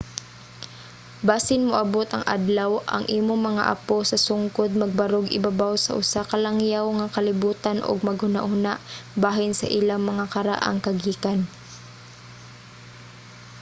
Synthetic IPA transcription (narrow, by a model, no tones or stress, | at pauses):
baːsɪnmʊʔɐbot̪ɐŋʔa̰d̪lawʔɐ̰ŋʔiːmoŋmɐŋa̰ʔɐ̰posɐsʊŋkod̪̚mɐɡ̚bɐɾoɡɪ̰babawsɐ̰ʔʊsakɐlaŋjawŋakɐlɪbuːt̪anʔo̰ɡ̚mɐɡhʊna̰ʔhʊnaʔbaːɦɪnsɐʔilaŋmɐŋakɐɾa̰ʔa̰ŋkɐɡiːkan